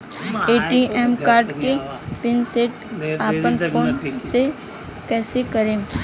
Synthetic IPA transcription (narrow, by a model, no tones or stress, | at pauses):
eːʈiɛmkaːɾɖkepɪnseːʈaːpənʰoːnse | kɛːsekəɾẽː